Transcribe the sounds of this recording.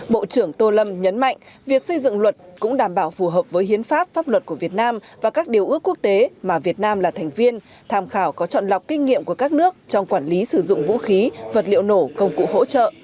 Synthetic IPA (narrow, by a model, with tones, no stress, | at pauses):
ɓo̰˧˨t͡ɕɨ˧˩əŋt̪o˧lə˧mɲə˨˦nma̰˧˨jŋ̟ | vi˨˩ək̚sə˧jzɨ̰˧˨ŋlwə˨˩t̚kʊ̰˧˥ŋ͡mɗaː˧˩mɓaː˧˩wfu˨˩ɦəː˨˩p̚vəː˨˦jhi˨˦ənfaː˦˥p̚faː˦˥p̚lwə˨˩t̚ku˧˩əvi˨˩ət̚naː˧mvaː˨˩kaː˦˥k̚ɗi˨˩əwʔɨ˧˦˥əkːu˦˥ək̚t̪e˨˦maː˨˩vi˨˩ət̚naː˧mlaː˨˩t̪ʰɛ˨˩ŋ̟vi˧ən | t̪ʰaː˧mxaː˧˩wkɔ˨˦t͡ɕɔ̰˧˨nla˨˩wk͡p̚kï˧ŋ̟ŋḭ˧˨əmku˧˩əkaː˦˥k̚nɨ˦˥ək̚t͡ɕɔ˧wŋ͡mkwaː˧˩nli˨˦sɨ˧˩zʊ̰˧˨ŋ͡mvṵ˧˥xi˨˦və˨˩t̚lḭ˧˨əwno˧˩kə˧wŋ͡mkṵ˧˨ho̰˧˥t͡ɕə̰ː˧˨ʔ